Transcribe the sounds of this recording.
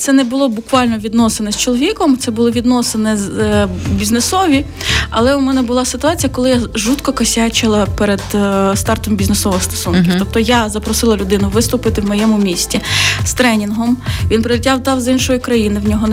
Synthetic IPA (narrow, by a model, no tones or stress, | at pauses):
t̪sɛnɛbʊlˠɔbʊkʋɑlʲnɔʋʲid̪nɔsenɛst͡ʃɔlˠɔʋʲikɔmt̪ɛbʊlˠɔʋʲid̪nɔsenɛzʲbʲiznesɔʋʲi | ɐ̰lˠɛʊmɛnɛbʊlˠɑsɪt̪ʊɑt͡sʲijɐkɔlˠɪjaʒut̪kɔkɐsʲat͡ʃɪlˠɐpɛɾed̪st̪ɑrt̪ɔmbʲiznesɔʋɔst̪ɔ̥sunʲiwt̪ɔp̚t̪ɔjazɐpɾɔsɪlˠɐlʲʊd̪ɪnʊʋɪst̪ʊpɪt̪ɪwmɔjɛmʊmʲisʲtʲist̪ɾɛnʲinɦɔmʋʲinpɾɪlʲitʲawd̪ɑwzinʃɔjikɾɐjinɪwnʲɔɦɔn